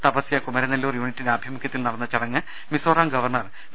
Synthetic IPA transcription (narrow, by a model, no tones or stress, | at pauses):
t̪ɐpɐsjɐkumɐɾɐnɐlːuːrjuːnitːineaːbʱjɐmukʰʲːjɐt̪ːilnɐɽɐnːɐt͡ɕɐɽɐŋːɨ | misoːraːŋɡɐʋɐrɳɐr